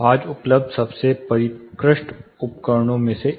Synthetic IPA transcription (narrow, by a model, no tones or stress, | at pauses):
aːd͡ʒʊpləb̚d̪ʱsɐbsepɐɾɪkɾɪʃʈʊpkəɾɳ̃õmẽse